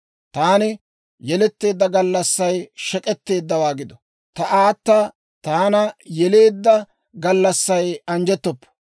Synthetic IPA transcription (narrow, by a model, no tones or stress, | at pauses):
t̪aːnɪ | jɛlɛt̪ːe̞ːd̪ːɐɡɐlːɐsːɐjʃɛkʼɛt̪ːe̞ːd̪ːɐwaːɡɪd̪ɔ | t̪ɐʔaːt̪ːa | t̪aːnɐjɛle̞ːd̪ːɐ | ɡɐlːɐsːɐjɐnd͡ʒɛt̪ːɔpːɔ̥